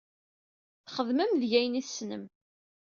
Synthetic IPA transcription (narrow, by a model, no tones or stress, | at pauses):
θχəðməmðʝæjniθsnə̰m